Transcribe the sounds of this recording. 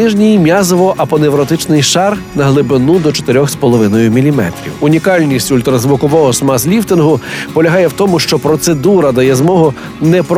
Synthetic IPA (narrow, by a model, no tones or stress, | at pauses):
ɪʒnʲijmʲjɑzɔʋɔʔɐpɔneʋɾɔt̪ɪt͡ʃnɪjʃɑrnɐɦlˠɪbɪnud̪ɔt͡ʃɔ̥t̪ɪɾʲɔxspɔlˠɔʋɪnɔjʊmʲilʲimɛ̰t̪ɾʲḭwʊnʲikɑlʲnʲisʲtʲʊlʲt̪ɾɐzʋʊkɔʋɔɦɔsmɑzlʲift̪ɪnɦʊpɔlʲɐɦɑjɛwt̪ɔmʊʃt͡ʃɔpɾɔt̪se̞d̪uɾɐd̪ɐjɛzmɔɦʊ | nɛpɾ